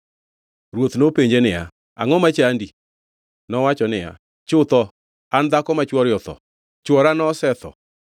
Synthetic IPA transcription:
ɾwot̪nopeɲd͡ʒenɪja̰ | a̰ŋɔmat͡ʃaandi | nɔwat͡ʃɔnɪja̰ | t͡ʃʊt̪ɔ | and̪akɔmat͡ʃwɔɾjɔt̪ɔ̰ | t͡ʃwɔɾanɔsɛt̪ɔ̰

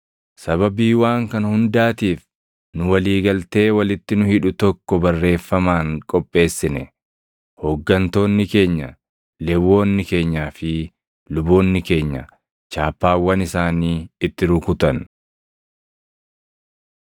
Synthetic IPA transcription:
sɐβɐbiːwaːŋkɐnhʊnd̪aːt̪iːf | nʊwɐliːɡɐlt̪e̞ːwɐlɪt̪ːɪnʊhɪᶑʊt̪ɔkːɔbɐrːe̞ːfːɐmaːŋkʼɔpʼːe̞ːsːɪnɛ | hɔɡːɐnt̪o̞ːnːɪke̞ːɲːɐ̰ | lɛwo̞ːnːɪke̞ːɲːaːfɪ | lʊbo̞ːnːɪke̞ːɲːɐ̰ | t͡ʃaːpːaːwːɐnɪsaːniːɪt̪ːɪɾʊkʊt̪ɐn

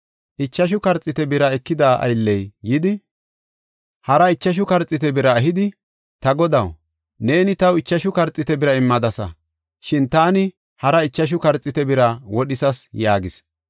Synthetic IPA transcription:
ʔɪt͡ʃːɐʃ̬ʊkɐɾt͡sʼːɪt̪ɛbɪɾɐɛkːɪd̪aːʔɐ̰jlːɛjːɪd̪ɪ | hɐɾɐɪt͡ʃːɐʃ̬ʊkɐɾt͡sʼːɪt̪ɛbɪɾɐːɦɪd̪ɪ | t̪ɐɡɔd̪ɐw | ne̞ːnɪt̪ɐwɪt͡ʃːɐʃʊkɐɾt͡sʼːɪt̪ɛbɪɾɐɪmːɐd̪ɐsɐ̰ | ʃɪnt̪aːnɪ | hɐɾɐɪt͡ʃːɐʃ̬ʊkɐɾt͡sʼːɪt̪ɛbɪɾɐwɔɗɪsɐsjaːɡɪs

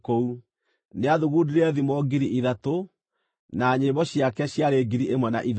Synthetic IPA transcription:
kou | neaðuɣudiɾeɛðimɔɡiɾiʔiðato | naɲeβɔɕjakɛɕjaɾeɡiɾiʔemwɛna̰ʔið

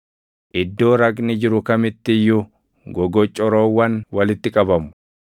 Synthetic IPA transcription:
ʔɪd̪ːo̞ːɾɐɡnɪd͡ʒɪɾʊkɐmɪt̪ːɪjːʊ | ɡɔɡɔt͡ʃʼːɔɾoːwːɐnwɐlɪt̪ːɪkʼɐbɐmʊ̥

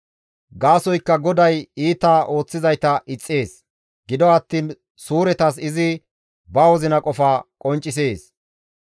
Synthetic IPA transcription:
ɡaːsɔjkːɐɡɔd̪ɐjiːt̪aːʔo̞ːt͡sːɪzɐjt̪ɐʔɪt͡sʼːe̞ːs | ɡɪd̪ɔɐt̪ːiːn | suːɾɛt̪ɐs̬ɪzɪ | bɐwɔzɪnɐkʼɔfaːkʼɔnt͡ʃʼːɪs̬e̞ːs

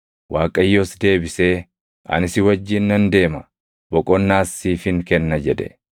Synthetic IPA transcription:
waːkʼɐjːoːsd̪e̞ːbɪse̞ː | ʔɐ̰nɪsɪwɐd͡ʒːɪnːɐnd̪e̞ːmɐ | bɔkʼɔnːaːsːiːfɪŋkɛnːɐd͡ʒɛd̪ɛ̰

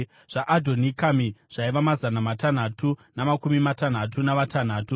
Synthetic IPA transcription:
ʐ̥aʔadʱo̞nikamiʐ̥aiʋamazanamatan̤atunamakumimatan̤atunaʋatan̤aːtu

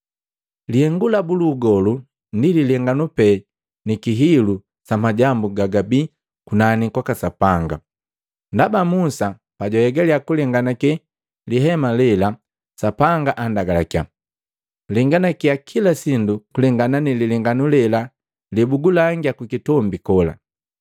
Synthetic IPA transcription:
lihɛŋɡulabuluːɡɔlu | ndililɛŋɡanupɛ | nikiɦilu | samaɟambuɡaɡabi | kunanikwakasapaŋɡa̰ | ndabamusa | paɟɔjɛɡɛliakulɛŋɡanakɛ | liɦɛmalɛla | sapaŋɡaʔandaɡalakja̰ | lɛŋɡanakiakʰilasindukulɛŋɡananililɛŋɡanulɛla | libuɡulaŋɡiakikitɔmbikɔla̰

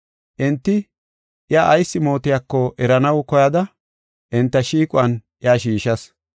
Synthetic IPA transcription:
ʔɪnt̪ːɪ | ʔɪaʔːjsːɪmo̞ːt̪ɪjakːɔʔɛɾɐnɐwkɔjɐd̪ɐ | ʔɪnt̪ːɐʃiːkʼʊɐnʔɪaːʃiːʃɐs

